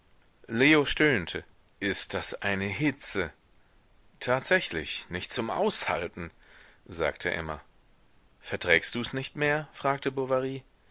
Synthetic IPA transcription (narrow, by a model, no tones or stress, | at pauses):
leːoʃtøːntʰə | ʔɪst̚d̥asʔaɪnəɦɪt͡sə | tʰaːtz̥ɛçlɪ̰çnɪçt̚t͡sʊmʔa̰ʊsha̰ltn̩ | za̰ːktʰə̰ʔɛ̰mɐ̰ | fɛɐtʁ̥ɛːkst̚d̥uːɛsnɪçtmeːɐfʁ̥aːk̚təbovaʁiː